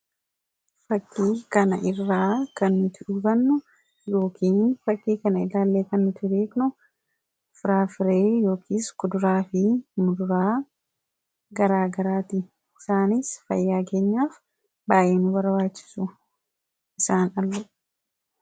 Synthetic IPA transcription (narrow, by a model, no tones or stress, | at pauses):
fɐkːiːkɐnɐʔɪrːaːkɐnːʊt̪ɪᶑʊbɐnːʊ | jo̞ːkʰiːnfɐkːiːkɐnɐɪlaːlːeːkɐnːʊt̪ɪd̪eːknʊ | fɪɾaːfɪɾeːjo̞ːkiːskʊd̪ʊɾaːfɪmʊd̪ʊɾaː | ɡɐɾaːɡɐɾaːt̪i | ɪsaːnisfɐ̰jːaːke̞ːɲːaːf | baːʔeːnʊbɐɾbaːt͡ʃːɪ̥sʊ | ʔɪsaːnɐlːʊ